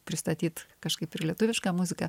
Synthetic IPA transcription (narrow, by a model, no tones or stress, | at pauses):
pʲɾʲɪst̪ɐt̪ʲiːt̪kɐʃkɐɪpɪɾlʲɛt̪ʊʋʲɪʃkɑːmʊzʲɪkɐ